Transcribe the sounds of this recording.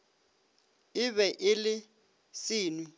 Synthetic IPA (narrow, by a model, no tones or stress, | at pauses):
ɪβɛʔɪlɪ | siːnwi